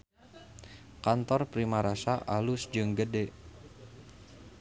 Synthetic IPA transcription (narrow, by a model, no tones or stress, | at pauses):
kant̪ɔrpɾimaɾasaʔalusd͡ʒɨŋɡəde